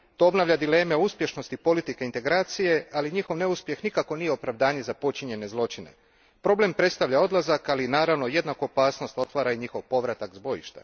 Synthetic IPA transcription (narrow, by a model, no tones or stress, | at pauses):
t̪o̞obnaʋʎad̪ile̞ːmeouspʲje̞ʃno̞st̪ipo̞lit̪ike̞int̪e̞ɡɾaːt̪sije̞aliɲixo̞ʋne̞uspje̞xnikako̞nije̞o̞pɾaʋd̪aːɲe̞zapo̞t͡ʃiɲe̞ne̞zlˠo̞t͡ʃine̞̰ | pɾo̞ble̞mpɾe̞t̪st̪aʋʎao̞d̪lˠazakalinaːɾaʋno̞je̞d̪nakoopaːsno̞st̪o̞t̪ʋaːɾaiɲixo̞ʋpo̞ʋɾat̪akzbo̞jḭʃt̪a̰